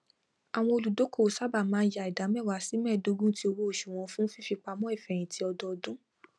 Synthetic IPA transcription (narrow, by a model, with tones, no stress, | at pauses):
a˨w̃ɔ̃˧o˧lu˨do˨˦ko˦˨sa˦ba˦˨mãː˨˦ja˧i˨da˨˦mɛ̃˦˨wa˨˦si˨˦mɛ̃˦˨do˨˧˦ɡũ˦ti˧˦o˧wo˦o˦˨ʃũ˨w̃ɔ̃˧˦fũ˦fi˦fi˧k͡pa˧mɔ̃˦i˦˨fɛ˨j̃ĩ˨tʰi˦ɔ˧dɔ˧dũ˦